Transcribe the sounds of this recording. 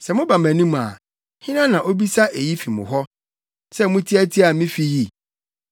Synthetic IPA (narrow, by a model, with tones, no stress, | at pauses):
sɛ˨mʊ̃˦ba˨mæ̃˨nĩ˦m̃˨a̰˨ | hɪ̃˦nã˦nã˨ʔo˦bi˦sa˦ʔe˨ji˦fi˨mʊ̰̃˨ɦɔ˦ | sɛ˦mʊ̃˦tʰi˦æ˦tʰi˦a˨mĩ˦fi˦ji˦